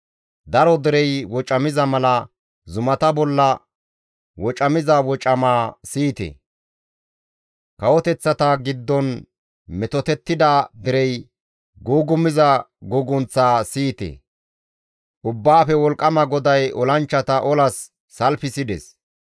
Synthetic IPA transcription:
d̪ɐɾɔd̪ɛɾɛjwɔt͡ʃʼɐmɪzɐmɐlɐ | zʊmɐt̪ɐbɔlːɐ | wɔt͡ʃʼɐmɪzɐwɔt͡ʃʼɐmaːsiːt̪ɛ̰ | kɐwɔt̪ɛt͡sːɐt̪ɐɡɪd̪ːɔn | mɛt̪ɔt̪ɛt̪ːɪd̪ad̪ɪɾɛj | ɡuːɡʊmɪzɐɡʊɡʊnt͡sːaːsiːt̪ḛ | ʔʊbːaːfɛwɔlkʼːɐmɐɡɔd̪ɐjɔlɐnt͡ʃːɐt̪ɐʔɔlɐsː | ɐlfɪsɪd̪ɛ̰s

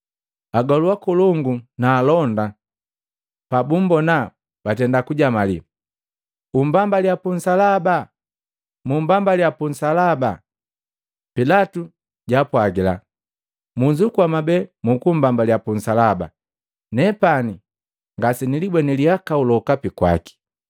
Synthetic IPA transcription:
aɡɔluakuluŋɡunaːlɔnda | pabum̩bɔna | b̥atɛndakuɟamalḭ | umbambaljapun̩salaba | mumbambaljapunsalaba | pilatu | ɟapwaɡila̰ | muɲd͡ʒukuamabɛmukumbambaljapunsalaba̰ | nɛpani | ŋɡasinilibwɛniliakaulɔkapikwa̰ki̥

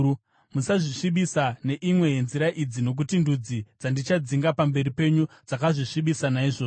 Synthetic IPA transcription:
musaʐiʂiɓisane̞ʔimwe̞jenziɾaʔid͡zino̞k̬utindud͡zid͡zandit͡ʃad͡ziŋɡapambe̞ɾipe̞ɲud͡zakaʐiʂiɓisanaiʐoː

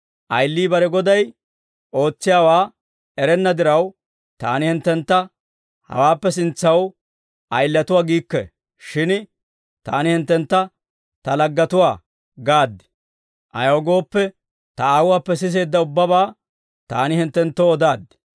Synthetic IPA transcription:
ʔɐjlːiːbɐɾɛɡɔd̪ɐj | ʔo̞ːt͡sːɪjaːwaː | ɛɾɛnːɐd̪ɪɾɐw | t̪aːnɪhɪnt̪ːɛnt̪ːɐ | hɐ̰waːpːɛsɪnt͡sːɐw | ʔɐjlːɐt̪ʊwaːɡiːkːɛ̰ | ʃɪn | t̪aːnɪhɪnt̪ːɛnt̪ːɐ | t̪ɐlɐɡːɐt̪ʊwaː | ɡaːd̪ːɪ̥ | ʔɐ̰jɐwɡo̞ːpːɛ | t̪ɐaːwʊwaːpːɛs̬ɪs̬e̞ːd̪ːɐʊbːɐbaː | t̪aːnɪhɪnt̪ːɛnt̪ːoɔd̪aːd̪ːɪ̥

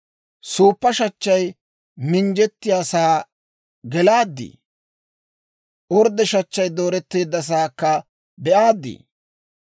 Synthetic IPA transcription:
suːpːɐʃɐt͡ʃːɐj | mɪnd͡ʒɛt̪ːɪjaːsaː | ɡɛlaːd̪ːḭː | ʔɔɾd̪ɛʃɐt͡ʃːɐjd̪o̞ːɾɛt̪ːeːd̪ːɐs̬aːkːɐ | bɛʔaːd̪ːḭː

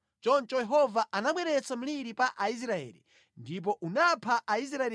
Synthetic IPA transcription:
t͡ʃɔnt͡ʃɔjɛɦɔvaʔanaɓwɛɾɛt͡sam̩liɾipaʔais̬ɾaɛ̰ːlḭ | ndip̬ɔʔunapʰaʔais̬ɾaɛ

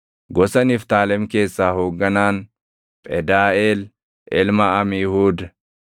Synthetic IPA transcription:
ɡɔsɐnɪft̪aːlɛmke̞ːsːaːhoːɡːɐnaːn | pʼɛd̪aːʔeːl | ʔɪlmɐɐmɪjhuːd̪ɐ

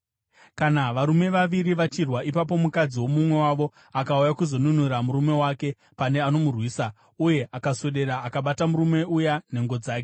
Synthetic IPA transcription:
kanaʋaɾume̞ʋaʋiɾiʋat͡ʃirwaipap̬o̞mukad͡ziwo̞mumwe̞waʋo̞ | akaujakuzo̞nunuramuɾume̞wake̞ | pane̞ano̞murwiːsa | uje̞ʔakasoɗe̞ɾaːkaɓatamuɾume̞ujane̞ŋɡo̞d͡zaːke

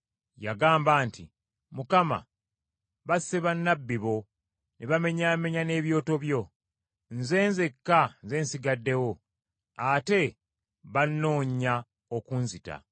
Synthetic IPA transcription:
jaɡaːmbaːntʰi | mukama̰ | βaseβanːabːiβo̞ | nʔeβame̞ɲame̞ɲane̞ːβjo̞ːto̞βjo̞ | nze̞ːnzekːanze̞ːnsiɡadːe̞wo | ate̞ | βanːo̞ːɲa | okunzita̰

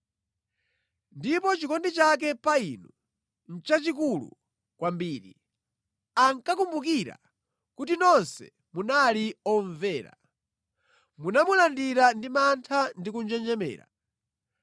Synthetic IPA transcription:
ndipɔt͡ʃikɔndit͡ʃak̬ɛpainu | n̩t͡ʃat͡ʃikulṵ | kwambiːɾḭ | aŋkakumbuk̬iɾa̰ | kutinɔnsɛ̰ | munaliɔɱvɛːɾa̰ | munamulandiɾandimantʰandik̬und͡ʒɛnd͡ʒɛmɛ̰ːɾa̰

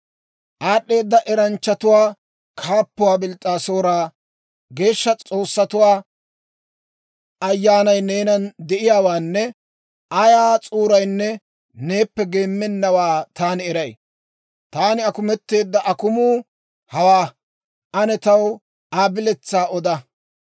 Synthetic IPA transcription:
ʔaːɗːe̞ːd̪ːɐʔɛɾɐnt͡ʃːɐt̪ʊwaː | kʰaːpːʊwaːbɪlt̪ʼːaːsoːɾaː | ɡe̞ːʃːɐt͡sʼo̞ːsːɐt̪ʊwaː | ɐjːaːnɐjne̞ːnɐnd̪ɛʔɪjaːwaːnːɛ | ʔɐjaːt͡sʼuːɾɐjnːɛ | ne̞ːpːɛɡe̞ːmːɛnːɐwaːt̪aːnɪɛɾɐj | t̪aːnɪɐkʊmɛt̪ːe̞ːd̪ːɐʔɐkʊmuː | hɐwaː | ʔɐnɛt̪ɐw | aːbɪlɛt͡sːaːɔd̪ɐ

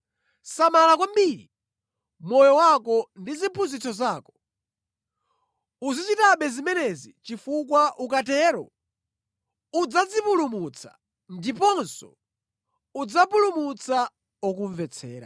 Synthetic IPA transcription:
samalakwam̩biɾi | mɔjɔwakɔndizipʰunzit͡sɔzaːkɔ̥ | uzit͡ʃitaɓɛzimɛnɛzit͡ʃifuk̬waʔukatɛɾɔ̰ | ud͡zad͡zipulumut͡sʰḁ̰ | ndipɔnsɔ̰ | ud͡zapulumut͡sa | ɔk̬uɱvɛt͡sʰɛ̰ːɾa̰

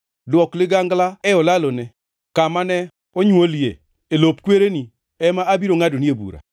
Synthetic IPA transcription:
dwɔklɪɡaŋɡlaɛɔlalonɛ | kamanɛ | oɲwoljḛ | elop̚kweɾeni | ɛmaːbiɾoŋadoniebṵɾa̰

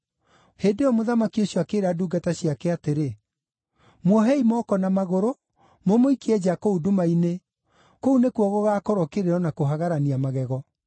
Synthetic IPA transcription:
heːdeɔmoðamakioɕjɔakeɾaduːɡataɕiakɛateɾe | mwɔɦɛimɔːkɔnamaɣoɾo | momoikiɛd͡ʑakoudumaine | kounekwɔɣɔɣakɔɾɔkeɾeɾɔnakoɦaɣaɾaniamaɣɛɣɔ

